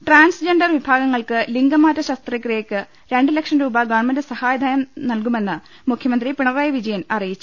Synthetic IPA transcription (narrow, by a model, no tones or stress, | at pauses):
ʈraːnsd͡ʑeɳɖɐrʋibʱaːɡɐŋːɐɭkɨliŋɡɐmaːtːɐɕɐst̪rɐkːreːkːɨ | ɾe̞ɳɖilekʂɐnɾuːbɐɡɐːɳmɐndesɐhaːjɐd̪ʱaːjɐmnɐlkume̞nːɨ | mukʰjɐmɐnd̪ripiɳɐraːjɐʋid͡ʑɐjɐnɐrijit͡ɕːu